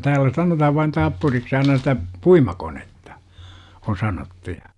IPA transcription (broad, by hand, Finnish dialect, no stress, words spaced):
tæːlːæ sɑnotɑhɑʋ ʋɑin tɑpːuriks ɑinɑ sitæ puimɑkonetːɑ on sɑnotːu jɑ